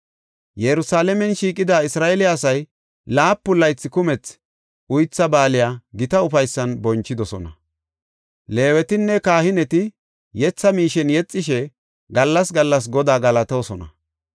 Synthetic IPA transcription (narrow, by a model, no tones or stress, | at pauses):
jɛɾʊsaːlɛmɛnʃiːkʼːɪd̪aːɪsɾaːʔɛlɪːsɐj | laːpːʊlːɐjt͡sːɪkʊmɛt͡s | ʔʊjt͡sːɐbaːlɪjaːɡɪt̪ɐʊfɐjsːɐnbɔnt͡ʃːɪd̪ɔsɔ̰nɐ̰ | le̞ːwɛt̪ɪnːɛkaːhɪnɛt̪ɪ | jɛt͡sːɐmiːʃɛnjɛt͡sʼːɪʃɛ | ɡɐlːɐsɡɐlːɐs̬ɡɔd̪aːɡɐlɐt̪oːsɔnɐ̰